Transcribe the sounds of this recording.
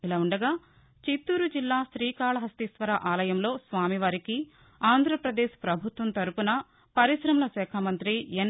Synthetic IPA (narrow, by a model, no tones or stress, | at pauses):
ilɐuɳɖɐɡaː | t͡ʃit̪ːuːɾud͡ʒilːaːʃɾiːkaːɭɐɦɐst̪isʋɐɾɐʔaːlɐjɐmlo̞ːsʋaːmiʋaːɾiki | aːnd̪ʱɾɐpɾɐd̪eːʃpɾɐbʱut̪ʋɐnt̪ɐɾupunɐ | pɐɾisɾɐmɐlɐsɛːkʰamɐnt̪ɾijen